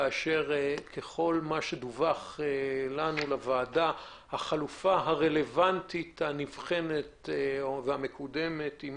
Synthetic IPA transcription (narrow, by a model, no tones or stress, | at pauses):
aːʃe̞ʁkʰe̞χo̞lmaʃed̪uvaχelanulavaːda | haχalufaɦaʁe̞le̞vantithanivχe̞netvehamekude̞me̞tim